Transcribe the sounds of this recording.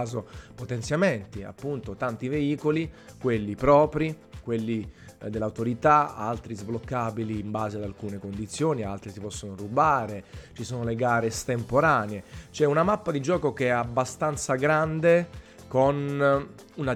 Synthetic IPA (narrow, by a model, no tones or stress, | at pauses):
zopot̪ɛnt̪sjament̪ia̰pːunt̪ot̪ant̪iveiːkolikwelːipɾɔːpɾi | kwelːid̪elːaut̪oɾit̪aa̰lt̪ɾizblokːabiliːmbaːzead̪alkuːnekond̪it̪sːjoːnialt̪ɾisipɔsːonorubaːɾet͡ʃisoːnoleɡaːɾest̪empoɾaːneet͡ʃɛunamapːad̪id͡ʒɔːkokeɛabːast̪ant̪saɡɾand̪e | kon | una